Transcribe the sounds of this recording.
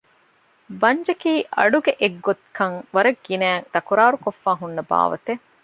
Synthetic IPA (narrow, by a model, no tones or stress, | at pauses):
bɐɲd͡ʒɐkiːʔɐ̰ɖuɡeʔeɡːot̪kʰɐŋʋɐɾɐɡːinæːŋd̪̥ɐkuɾaːɾukofːaːɦunːɐba̰ːʋɐ̰t̪e